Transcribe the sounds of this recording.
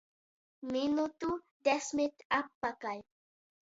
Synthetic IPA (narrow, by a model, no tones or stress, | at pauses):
minut̪u | desmit̪apːakaj